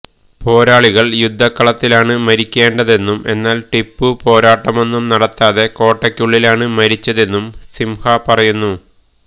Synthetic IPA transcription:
po̞ːɾaːɭiɣɐɭjud̪ʱːɐkːɐɭɐt̪ːilaːɳɨmɐɾikʲːe̞ːɳɖɐðe̞nːume̞nːaːlʈipːɨpo̞ːɾaːʈːɐmo̞nːumnɐɽɐt̪ːaːðe̞ko̞ːʈːɐkʲːuɭːilaːɳɨmɐɾit͡ɕːɐðe̞nːumsimhɐpɐrɐjunːu

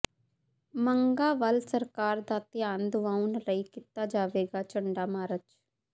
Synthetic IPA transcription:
məŋɡaːʋəlsəɾkaːɾd̪aːt̪ɪjaːnd̪ʊʋãːunɾəikɪt̪aːd͡ʒaːʋeːɡaːt͡ʃəɳɖaːmaːɾət͡ʃ

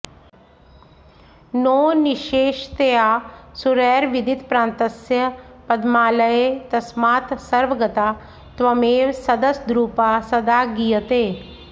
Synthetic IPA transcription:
noːnɪʃeːʃt̪eaːsuɾɛːɾʋɪd̪it̪pɾãːnt̪əsjəpɐd̪maːləet̪ɐsmaːt̪sɐɾʋəɡət̪aː | t̪ʋɐmeːwsɐd̪əsd̪ɾuːpaːsɐd̪aːɡijət̪eː

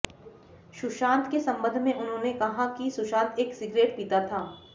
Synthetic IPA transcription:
ʃʊʃãːnt̪kesɐ̃mbə̃nd̪ʱmẽʔʊnɦõːnekɐɦãkisʊʃãːnt̪eːksɪɡɾeːʈpiːt̪at̪ʰaː

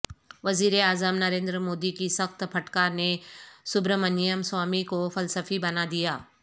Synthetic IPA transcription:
ʋɐziːɾeaːzəmnɐɾẽːnd̪ɾəmoːd̪ikisɐxt̪pʰɐʈkaːɾnesʊbɾmɐnijəmswaːmikofɐlsəfibɐnad̪ijaː

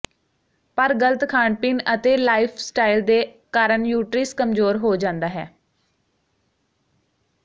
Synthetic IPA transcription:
pəɾɡəlt̪kʰaːɳpɪːnət̪eːlaːipʰsʈaːild̪eː | kaːɾəɳjuːʈɾiːskəmzoːɾɦoːd͡ʒãːnd̪aːɦɛː

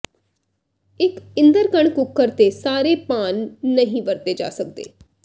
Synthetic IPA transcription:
ɪkɪ̃nd̪əɾkəɳkʊkːəɾt̪eːsaːɾeːpaːnːəɦĩʋəɾt̪eːd͡ʒa̰ːsəkd̪ḛː

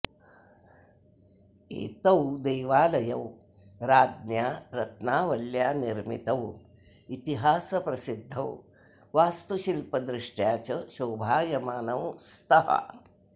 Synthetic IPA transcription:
ḛːt̪ɐwd̪eːʋaːlɐjɐw | ɾaːd̪̚njaːɾɐt̪naːʋɐljaːniɾmḭt̪ɐw | it̪iɦaːsɐpɾɐsid̪ʱːɐw | ʋaːst̪uʃilpɐd̪ɾɪʂʈjaːt͡ʃɐʃoːbʱaːjɐmaːnɐwst̪ɐɦɐ̰

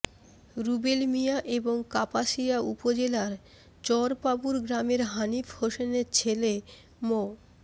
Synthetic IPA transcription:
ɾubelmijaʔeboŋkapaʃiaupod͡ʑelaɾ | t͡ɕɔɾpabuɾɡɾameɾɦanifhoʃeneɾt͡ɕʰele | mo

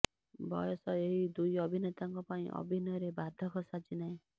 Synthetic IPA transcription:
bʱɔjɔsɔeɦid̪ujʌbʱinet̪aŋkɔpaĩʔɔ̰bʱinɔɾebad̪ʱɔkɔsad͡ʒinaĩ

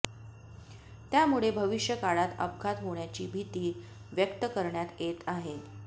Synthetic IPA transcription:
t̪jamuɭebʱəʋiʂjəkaɭat̪ə̰bɡʱat̪ɦoɳjat͡ɕiːbʱit̪iː | ʋjəkt̪əkəɾɳjat̪jet̪aɦe

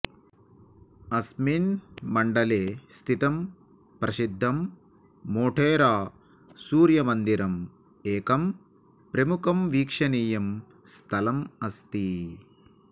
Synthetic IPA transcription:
ɐsminmɐɳɖɐleːst̪ʰit̪ɐm | pɾʔɐsid̪ʱːɐmː | oːʈʰeːɾaː | suːɾjɐmɐnd̪iɾɐm | eːkɐm | pɾɐmukʰɐmʋiːkʂɐniːjɐm | st̪ʰɐlɐmɐst̪i

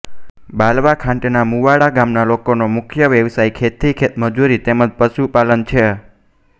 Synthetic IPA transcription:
balʋakʰãɳʈnamuʋaɽaɡamnalokonomʊkʰjəʋjəʋsajkʰet̪ʰikʰet̪məd͡ʒuɾit̪eməd͡ʒpəʃupalənt͡ʃʰe

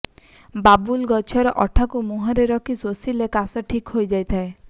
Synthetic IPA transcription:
babulɡɔt͡ʃʰɔɾɔʔɔʈʰakumuɦɔɾeɾɔkʰisosilekasɔʈʰikɦojd͡ʒajt̪ʰae

